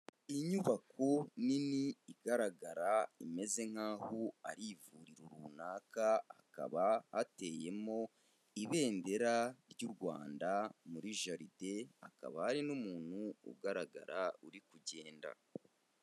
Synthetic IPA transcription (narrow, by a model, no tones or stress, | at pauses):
iɲuβakoniniːɡaɾaɡaɾaime̞ze̞ŋ̥haːhoaɾivuɾiɾuɾunaːkaa̰ka̰βahate̞ːje̞mo̞ | iβe̞ːnde̞ɾaɾjuɾɡwa̰ːndamuɾiʒaɾide̞aka̰βahaɾinumuːn̥huṵɡaɾaɡa̰ɾauɾikuɟe̞ːnda̰